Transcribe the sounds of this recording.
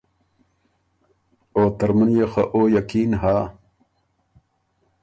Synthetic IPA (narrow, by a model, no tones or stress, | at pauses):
oːt̪ɐɾmɐnjexɐʔoːjɐkiːnɦaː